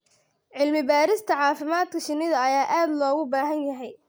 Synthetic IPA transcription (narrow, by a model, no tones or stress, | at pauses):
ʕɪlmɪbaːɾɪst̪ʰɐʕɑːfɪmaːd̪kʰɐʃɪnːɪðɐɐjaːʔaːd̪lɔːɣʊbaːɦɐnjɐɦɛj